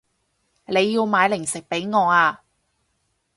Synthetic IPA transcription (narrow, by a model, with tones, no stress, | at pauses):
le˨˧jːiː˧wmaː˨˧jlɪ˨˩ŋsɪ˨k̚pe˨˥jŋɔː˨˧aː˧